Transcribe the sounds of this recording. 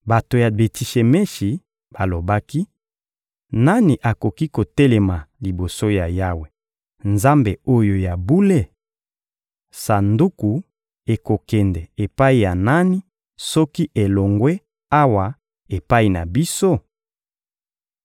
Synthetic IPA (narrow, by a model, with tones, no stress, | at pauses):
ba˨to˨ja˨be˨ti˨ʃe˨me˦ʃi˨ | b̥a˨lo˨ba˦ki˦ | na˦ni˨ʔa˨ko˨ki˦ko˨tɛ˦lɛ˨ma˨li˨bo˨so˦ja˨ja˦we˨ | nza˦mbe˨o˦jo˨ja˨bu˦le˦ | sa˨ndu˦ku˨ | e˨ko˨kɛ˨ndɛ˨e˨pa˦i˨ja˨na˦ni˦ | sɔ˦ki˦ʔe˨lo˨ŋɡwe˦ | a˦wa˨ | e˨pa˦i˨na̰˨bi˦so˦